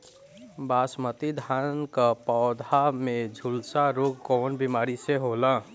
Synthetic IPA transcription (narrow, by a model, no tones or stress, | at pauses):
baːsmət̪id̪ʱankapɔd̪ʱamed͡ʒʱulsaɾoːɡkɔːnbimaːɾiseɦola